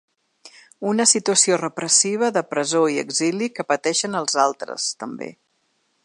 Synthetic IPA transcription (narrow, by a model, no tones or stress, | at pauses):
unəsit̪uəsiorəpɾəsiβ̞əðəpɾəzoiə̰ɡzilikəpət̪ɛʃənəlˠzalˠt̪ɾə̰st̪əmbḛ